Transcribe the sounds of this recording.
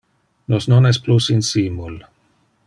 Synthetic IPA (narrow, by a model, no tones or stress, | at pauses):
nosnonɛsplusinsimul